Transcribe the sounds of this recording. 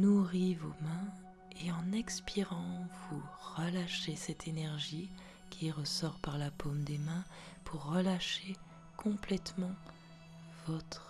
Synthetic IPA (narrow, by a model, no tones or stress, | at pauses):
nuʁivomɛ̃ | eɑ̃nɛkspʰiʁɑ̃vuʁəlaʃesɛt̪ʰenɛʁʒi | kʲʰiʁəsɔʁpaʁlapʰomd̪emɛ̃ | pʰuʁːəlaʃe | kʰɔ̃plɛt̪mɑ̃ | vɔt̪χ